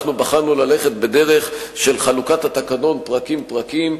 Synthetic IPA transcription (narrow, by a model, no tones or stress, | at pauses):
χnubaχanulale̞χe̞t̪̚bedeʁe̞χʃe̞lχalukat̪hat̪akano̞npʁakimpʁakim